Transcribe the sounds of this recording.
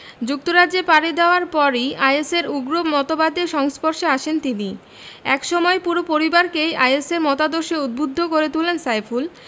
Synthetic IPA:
d͡ʑuk̚t̪oɾadd͡ʑepaɾed̪eoaɾpɔɾiajeseɾuɡɾomɔt̪obad̪eʃɔŋspoɾʃeaʃent̪ini | ɛkʃɔmɔepuɾopoɾibaɾkejajeseɾmɔt̪ad̪oɾʃeud̪̚bud̪ʱːokoɾet̪ulensajful

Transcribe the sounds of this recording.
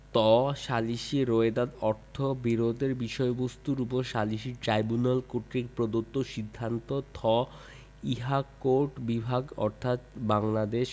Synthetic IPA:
t̪ɔʃaliʃiɾoed̪ad̪ɔɾt̪ʰobiɾod̪ʱeɾbiʃɔebost̪uɾupoʃaliʃiʈɾajbunalkoʈɾikpɾod̪ot̪ːoʃid̪ʱːant̪ot̪ʰɔ | iɦakoʈbibʱaɡɔ̰ɾt̪ʰat̪baŋlad̪eʃ

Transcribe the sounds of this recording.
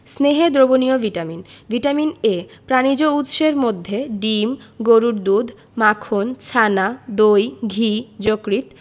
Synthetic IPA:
sneɦed̪ɾobonioviʈaminviʈaminepɾanid͡ʑout̪ʃeɾmod̪ʱːeɖimɡoɾuɾd̪ud̪ʱ | makʰont͡ɕʰanad̪ojɡʱid͡ʑokɾit̪

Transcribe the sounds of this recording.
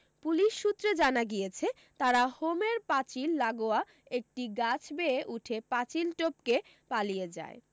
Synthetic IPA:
puliʃːut̪ːɾed͡ʑanaɡijet͡ɕʰe | t̪aɾahomeɾpat͡ɕilːaɡoa | ek̚ʈiɡat͡ɕʰbeeʔuʈʰepat͡ɕilʈopke | palijed͡ʑa̰e

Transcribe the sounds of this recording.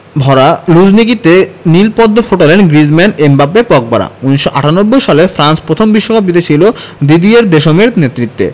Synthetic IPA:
bʱɔɾalud͡ʑnikit̪enilpɔd̪ːofoʈalenɡɾid͡ʑmenembapːepɔk̚ba̰ɾa̰uniʃːoʔaʈanobːojʃalefɾanspɾot̪ʰombiʃːokap̬it̪et͡ɕʰilo | d̪id̪ieɾd̪eʃomeɾnet̪ːɾit̪ːḛ

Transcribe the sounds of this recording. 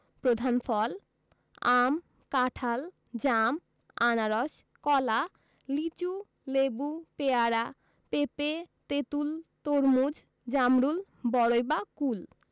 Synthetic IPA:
pɾod̪ʱanfʰɔl | am | kaʈʰal | d͡ʑam | anaɾɔs | kɔla | lit͡ɕu | lebupeaɾa | pepet̪et̪ult̪oɾmud͡ʑ | d͡ʑamɾul | bɔɽojbakul

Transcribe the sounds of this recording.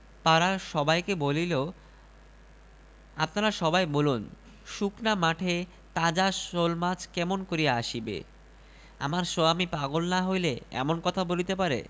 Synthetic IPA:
t̪aɾaʃɔbajkebolilo | apnaɾaʃɔbajbolun | ʃuknamaʈʰe | t̪ad͡ʑaʃolmat͡ɕʰkɛmonkoɾijaaʃibḛ | a̰maɾʃoamipaɡolnaɦojleɛ̰monkɔt̪ʰabolit̪epaɾḛ

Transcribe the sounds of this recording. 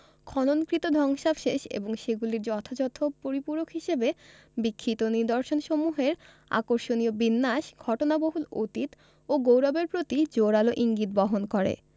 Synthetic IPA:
kʰɔnonkɾit̪od̪ʱɔŋʃabʃeʃḛboŋʃeɡuliɾd͡ʑɔt̪ʰad͡ʑɔt̪ʰopoɾipuɾokʰɦiʃebe | bikʰːit̪oniɾd̪oɾʃonʃomuɦeɾ | a̰koɾʃoniobinːaʃɡʱɔʈonaboɦulo̰t̪it̪ | oɡowɾɔbeɾpɾot̪id͡ʑoɾaloʔiŋɡit̪̚bɔɦonkɔɾḛ

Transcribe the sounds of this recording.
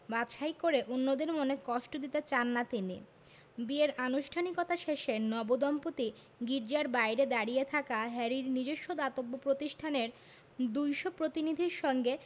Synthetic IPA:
baʃajkoɾeʔonːod̪eɾmonekɔʃʈod̪it̪et͡ɕanːat̪inḭ | bieɾanuʃʈʰanikɔt̪aʃeʃenɔbod̪ɔmpot̪i | ɡiɾd͡ʑaɾbajɾed̪aɽiet̪ʰakaɦɛɾiɾnid͡ʑoʃːod̪at̪obːopɾot̪iʃʈʰaneɾ | d̪ujʃopɾot̪inid̪ʱiɾʃɔŋɡe

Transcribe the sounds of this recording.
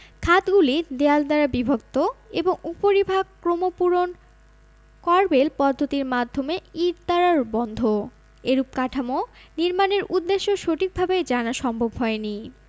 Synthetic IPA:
kʰat̪ɡulid̪eald̪aɾabibʱok̚t̪oeboŋupoɾibʱaɡkɾomopuɾon | kɔɾbelpɔd̪ʱːot̪iɾmad̪ʱːomeiɾt̪aɾaɾbɔnd̪ʱo | eɾup̚kaʈʰamoniɾmaneɾʔud̪ːeʃːoʃoʈik̚bʱabed͡ʑanaʃɔmbʱobɦɔeni

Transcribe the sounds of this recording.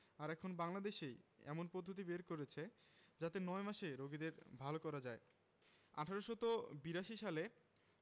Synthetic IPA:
aɾɛkʰonbaŋlad̪eʃejɛ̰monpɔd̪ʱːot̪̬ibeɾkoɾet͡ɕʰe | d͡ʑat̪enɔemaʃeɾoɡid̪eɾbʱalokɔɾad͡ʑae | a̰ʈʰaɾoʃɔt̪obiɾaʃiʃale

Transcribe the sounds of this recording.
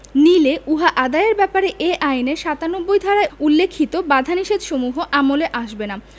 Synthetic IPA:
nileuɦaʔad̪ajeɾbɛpaɾeʔeʔajneʃat̪anobːojd̪ʱaɾaeulːekʰːit̪obad̪ʱaniʃed̪ʃomuɦoʔamoleʔaʃbena

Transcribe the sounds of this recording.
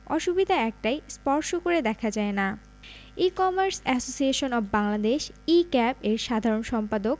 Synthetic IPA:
ɔʃubid̪ʱaɛk̚ʈajspɔɾʃokoɾed̪ɛkʰad͡ʑaena | ikɔmaɾsɛsosieʃonɔbbaŋlad̪eʃikɛpeɾʃad̪ʱaɾonʃɔmpad̪ok̚

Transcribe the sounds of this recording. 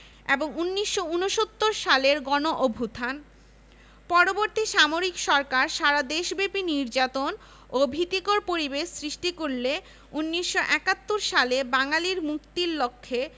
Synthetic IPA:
ḛboŋunːiʃːounoʃot̪ːoɾʃaleɾɡɔnoʔobʱut̪ʰan | pɔɾoboɾt̪iʃamoɾikʃɔɾkaɾʃaɾad̪eʃbepiniɾd͡ʑat̪on | obʱit̪ikoɾpoɾibeʃsɾiʃʈikuɾle | unːiʃːoʔɛkat̪ːoɾʃalebaŋaliɾmukt̪iɾlokʰːe

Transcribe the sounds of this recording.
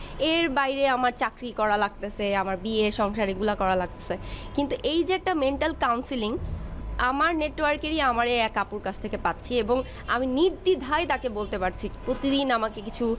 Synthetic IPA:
eɾbajɾeamaɾt͡ɕakɾikɔɾalaɡ̚t̪esʰaamaɾbieʃɔŋʃaɾiɡulakɔɾalaɡ̚t̪e̥sʰakint̪uʔejd͡ʑeɛk̚ʈameɳʈalkawnsiliŋamaɾneʈwaɾkeɾiamaɾeɛkapuɾkat͡ɕʰt̪ʰekepat̪ːɕʰieboŋ | aminiɾd̪id̪ʱajt̪akebolt̪epaɾt͡ɕʰipɾot̪id̪inamakekit͡ɕʰu

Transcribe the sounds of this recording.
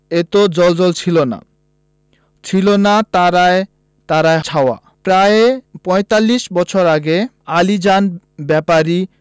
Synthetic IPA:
et̪od͡ʑɔld͡ʑɔlt͡ɕʰilona̰ | t͡ɕʰilonat̪aɾae | t̪aɾaet͡ɕʰaoa̰ | pɾaepɔjt̪alːiʃbɔt͡ɕʰoɾaɡe | alid͡ʑan | bɛpaɾi

